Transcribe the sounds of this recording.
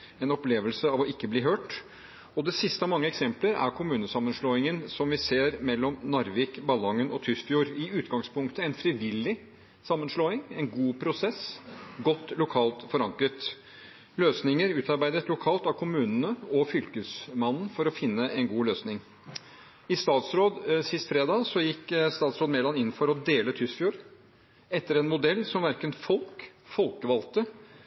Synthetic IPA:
ɛnɔpleːʋəlsəɑʋɔɪkːəbliːɦøːʈ | ɔd̪ɛsɪst̪əmɑŋːəɛksɛmpləɾæ̰ɾkʰʊmʉːnəsɑmːənʂloːɪŋənsɔmʋɪseːɾmɛlːɔmnɑɾʋɪkbɑlɔŋənʔɔt̪ʰʏst̪fjuːɾɪʉːt̪ɡɑŋspʰʊŋkt̪əɛnfɾiʋɪlːɪ | sɑmːənsloːɪŋɛnɡuːpʰɾʊsɛsɡɔt̪ːlʊkʰɑːlt̪fɔɾɑŋkɾət̪ | løːsnɪŋəɾʉːt̪ɑɾbæɪd̪ət̪lʊkʰɑːlt̪ɑʋkʰʊmʉːnənəɔfʏlkəsmɑnn̩fɔɾɔfɪnːəʔɛnɡuːløːsnɪŋ | ɪst̪ɑːt̪sɾoːd̪sɪst̪fɾeːd̪ɑːsɔjɪkːst̪ɑːt̪sɾoːd̪meːlɑnɪnːn̩fɔɾɔd̪eːlət̪ʰʏsfjuːɾ | ɛt̪ːəɾɛnmʊd̪ɛlːsɔmʋæɾkənfɔlkfɔlkəʋɑlt̪ə

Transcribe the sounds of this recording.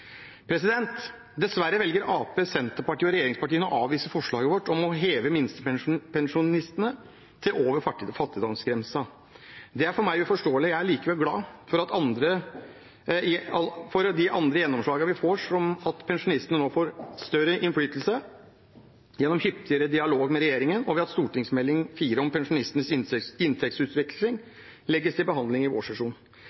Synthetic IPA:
pʰɾɛsɪd̪ɛnt̪ | d̪ɛsʋæɾːəʋɛlɡəɾʔɑːpeːsɛnt̪əɾpɑʈʰiːɔɾɛjeːɾɪŋspɑʈiːənɔʔɑːʋʋiːsəfɔʂɭɑːɡəʋɔʈːɔmɔɦeːʋəmɪnst̪əpʰɛnʂʊnɪst̪ənə | t̪ʰɪloːʋəɾfɑʈːiːd̪ɔfɑt̪ːɪd̪ɑnskɾɛmsɑ | d̪ɛæɾfɔɾmæɪfɔʂʈoːəlɪjæɪæɭiːkəʋɛlɡlɑːfɔɾɑt̪ɑnd̪ɾə | ɑfɔɾd̪ɪʔɑnd̪ɾəjɛnːɔmʂɭɑːɡɑʋɪfoːʂɔmɑt̪pʰɛnʂʊnɪst̪ənənoːfoːɾst̪œɾəʔɪnflyːt̪əlsə | jɛnːɔmhʏpt̪ɪəɾəd̪ɪɑloːɡmɛɾɛjeːɾɪŋənɔʋɪɑt̪st̪uːʈɪŋsmɛlːɪŋfiːɾəɔmpɛnʂʊnɪst̪ənəsɪɪnt̪ʰɛk̚t̪sʉːt̪ʋɪkʰlɪŋ | lɛɡːəst̪ɪlbəɦɑnd̪lɪŋɪʋo̰ːʂɑʂuːn

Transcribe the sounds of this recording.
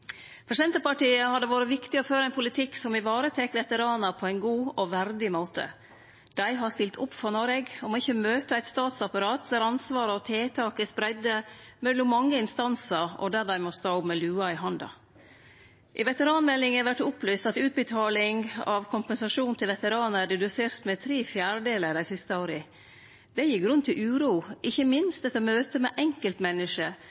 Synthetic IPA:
pʰɾɛsɪd̪ɛnt̪əpɑʈiːəhɑd̪ɛʋɑːɾəʋɪkt̪ɪɔføːɾəæɪnpʰʊlɪt̪ʰɪksɔmɪʋɑːɾət̪ʰɛkʋɛt̪əɾɑːnəpʰɔæɪnɡuːɔʋæɾd̪ɪmoːt̪ə̰ | d̪̥æɪɦɑst̪ɪlt̪ʰʊpːfɔnɔɾɛɡɔmɔɪçːəmøːt̪əæɪt̪st̪ɑːt̪sɑpɑɾɑːt̪d̪æɾɑnsʋɑːɾəɔt̪ʰeːt̪ʰɑːkəspɾæɪd̪əmɛlːɔmmɑŋːəɪnst̪ɑnsəɾɔ̰d̪æɾd̪æɪmɔst̪ɑːʊpmɛlʉːɑɪɦɑnd̪ɑ̰ | ʔɪʋɛt̪əɾɑːnmɛlːɪŋæʋæʈːʊplyːst̪ɑt̪ʉːt̪̚bət̪ʰɑːlɪŋɑʋkʰʊmpɛnsɑʂuːnt̪ʰɪlʋɛt̪əɾɑːnəædɛd̪ʉseːɾt̪mɛt̪ʰɾeːfjæːɾɖeːləɾd̪æɪsɪst̪əoːɾə | d̪ɛjɪɡɾʉnt̪ʰɪlʉːɾuːʔɪçːəmɪnst̪ɛt̪ːəɔmøːt̪əmɛʔɛŋkəlt̪mɛnːəʂə

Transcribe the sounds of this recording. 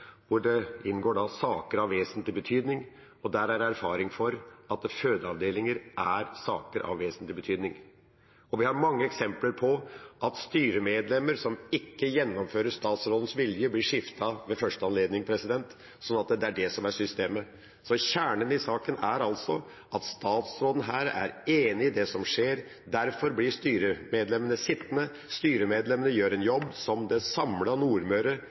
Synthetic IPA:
ʋʊɖɛɪnɡoːɖɑsɑːkəɾɑʋːeːsənt̪lɪbət̪ʰyːd̪nɪŋ | ɔd̪æɾæɾæɾfɑːɾɪŋfɔɾɑt̪føːd̪əɑʋd̪eːlɪŋəɾʔæɾsɑ̰ːkəɾʔɑ̰ʋːeːsənt̪lɪbət̪ʰyːd̪nɪŋ | ɔʋɪhɑɾmɑŋːəɛksɛmpləɾpʰɔʔɑt̪st̪yːɾəmeːd̪lɛməɾsɔmɪkːəjɛnːɔmføːɾəʂt̪ɑːt̪sɾoːd̪ən̩sʋɪljəblɪʂɪft̪ɑʋɛfœʂʈəɑnleːd̪nɪŋpʰɾɛsɪd̪ɛnt̪ | sɔnːɑt̪̚d̪d̪ɛæɖɛsɔmæʂʏst̪eːmə | sɔɕæːɳənɪsɑːkənæɾɑlsɔ | ʔɑt̪st̪ɑːt̪sɾoːd̪ən̩ɦæːɾæ̰ɾeːnɪːd̪ɛsɔmʂeːɾ | d̪æɾfɔɾblɪʂt̪yːɾəmeːd̪lɛmənəsɪt̪ːnə | st̪yːɾəmeːd̪lɛmənəjøːɾɛnjɔbːsɔmd̪ɛsɑmlɑnuːɾmøːɾə

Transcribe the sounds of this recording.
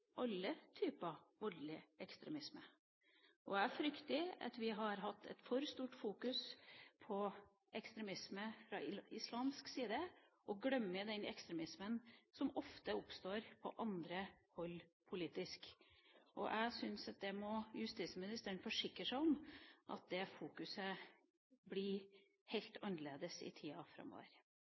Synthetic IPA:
ʔɑlːət̪ʰyːpəʋɔɖɭɪəɛkst̪ɾɛmɪsmə | ʔɔæɾfɾʏkt̪ɪɑ̰t̪ʋɪɦɑɾɦɑt̪ʰːɛ̰t̪fɔɾst̪uːʈfuːkʉspʰɔ | ʔɛkst̪ɾɛmɪsməfɾɑ̰ɪslɑːmsksiːd̪əʔɔɡɽœmːəd̪ɛnɛ̰kst̪ɾɛmɪsmənsɔmɔft̪əʊpst̪oːɾpʰɔ̰ʔɑnd̪ɾəhɔlːpʰʊliːt̪ɪskʔɔ̰ʔæɡsʏnsɑt̪̚d̪ɛmɔjʉst̪iːt̪səmɪnɪst̪əəɳfɔʂɪkɾəʂæɪɔmʔɑ̰t̪̚d̪ɛfuːkʉsə | blɪ | hɛɪlt̪ʰɑnːəɭeːd̪əsɪ̰t̪ʰiːɑfɾɑ̰mːo̰ːʋə̰ɾ

